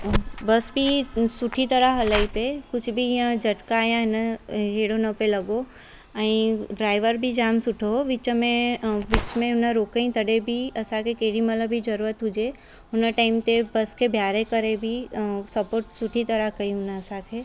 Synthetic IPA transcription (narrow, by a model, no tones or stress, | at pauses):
bəsbʱisʊʈʰit̪əɾaɦələipekʊt͡ʃʰbʱiiãd͡ʒəʈkaːjãɦɪnəɦeːɽonəpeləɡo | ãĩɖɾaːɪʋəɾbʱid͡ʒaːmsʊʈʰoʋɪt͡ʃmẽʋɪt͡ʃmẽʊnəɾoːkẽĩt̪əɽebʱiəsãkʰekeːɽimələbʱid͡ʒəɾuːɾət̪ɦud͡ʒe | ʊnəʈaːɪmt̪ebəskʰebʱjaːɾekəɾebʱisəpoːɾʈsʊʈʰit̪əɾakəĩʊnəəsãkʰe